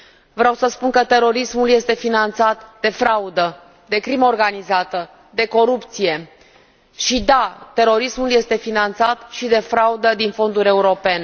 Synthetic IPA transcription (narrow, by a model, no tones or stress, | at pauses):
vɾawsəspunkət̪e̞ɾo̞ɾismulje̞st̪e̞finant̪sat̪d̪e̞fɾaud̪ə | d̪e̞kɾiməorɡanizat̪ə | d̪e̞ko̞ɾupt̪sije̞ | ʃid̪at̪e̞ɾo̞ɾismulje̞st̪e̞finant̪sat̪ʃid̪e̞fɾaud̪əd̪info̞nd̪uɾʲe̞uɾo̞pe̞ne